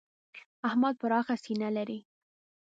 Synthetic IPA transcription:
ahmɑd̪̚pəɾɑxasinalaɾi

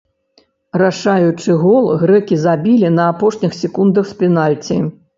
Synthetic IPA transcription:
ɾaʂajut͡ʂɨɣɔlˠɣɾɛkʲizabʲilʲinɐapɔʂnʲixsʲikund̪ɐxsʲpʲinalʲt͡sʲi

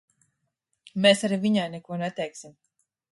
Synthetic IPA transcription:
mesaɾiviɲajnɛkuɔnɛt̪ɛjksim

